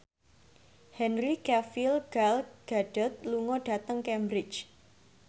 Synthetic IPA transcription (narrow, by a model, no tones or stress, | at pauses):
hɛnrikafilɡ̥alɡ̥aɖ̥ə̤t̪̚luŋɔɖ̥a̤t̪əŋkɛmbɾɪt͡ʃ